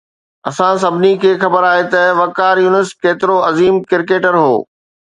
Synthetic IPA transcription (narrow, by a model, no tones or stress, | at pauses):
ɐsãs̬ɐbʱɪnikʰeːxɐbəɾaːɦet̪ɐʋɐkaːɾjuːnɪskeːt̪ɪɾoɐziːmkɪɾkeːʈəɾɦo̰ː